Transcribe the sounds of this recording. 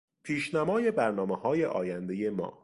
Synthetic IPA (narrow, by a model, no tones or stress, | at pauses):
pʰiːʃnæmɒːje̞bæɾnɒːmehɒːje̞ʔɒ̰ːjænd̪e̞je̞mɒ̰ː